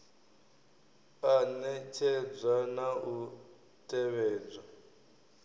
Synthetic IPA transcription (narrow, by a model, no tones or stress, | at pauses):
anɛt͡ʃʰɛd͡zanaʔu | tʼɛβɛːd͡za